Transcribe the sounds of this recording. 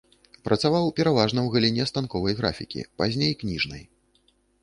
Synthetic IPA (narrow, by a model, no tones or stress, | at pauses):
pɾʔɐt̪savawpʲɛɾavaʐnɐwɣɐlʲinʲɛst̪ankɔvɐjɣɾa̰fʲikʲḭpazʲnʲejknʲiʐnɐ̰j